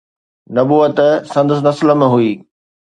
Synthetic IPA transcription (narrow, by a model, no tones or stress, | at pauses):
nɐbuːət̪sɐ̃nd̪əs̬nɐsl̆mẽɦuiː